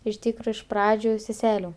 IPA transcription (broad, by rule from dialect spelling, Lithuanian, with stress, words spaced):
ɪʃ ˈtʲiːkroː ɪʃ ˈprɑːd͡ʒʲʊ sʲɛˈsʲæːlʲuː